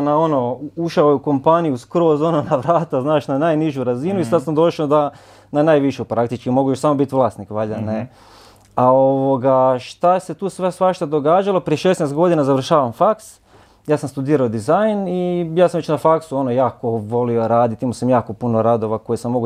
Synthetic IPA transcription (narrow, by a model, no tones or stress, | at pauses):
nao̞nouʃaojeuko̞mpanijuskɾo̞ːzo̞nonaʋɾaːt̪aznaːʃnanaːjniʒuɾazinuisad̪samd̪o̞ʃaod̪a | nanaːjʋiʃupɾakt̪it͡ʃkimo̞ɡujoʃsamo̞bit̪ʋlˠaːst̪nikʋaʎane | aoʋoɡaʃt̪aese̞t̪uːsasʋaʃt̪ad̪o̞ɡaːd͡ʒalˠopɾie̞ʃesnest̪ɡo̞d̪inazaʋr̩ʃaːʋamfaks | jaːsamst̪ud̪iːɾaod̪izajnijaːsamʋet͡ʃnafaksuo̞nojaːko̞ʋo̞lioɾaːd̪it̪imosamjaːko̞punoɾad̪o̞ʋako̞jesamːo̞ɡu